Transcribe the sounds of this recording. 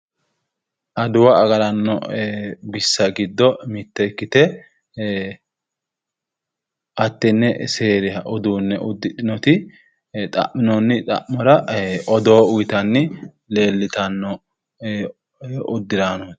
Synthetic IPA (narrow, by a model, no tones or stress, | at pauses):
ʔɐd̪ʊwɐːɡɐɾɐnːɔ̰ | bɪsːɐɡɪd̪ːɔmɪt̪ːɛkːɪt̪ɛ | ɐt̪ːɛnːɛseːɾɪhɐʔɔd̪uːnːɛʔʊd̪ːɪᶑɪnɔt̪ɪ | t̪ʼɐ̰ʔːɪnɔnːɪt̪ʼɐ̰ʔmɔɾɐɔd̪oːʊjɪt̪ɐnːɪ | le̞ːlːɪt̪ɐnːɔ | ʊd̪ːɪɾanɔ̥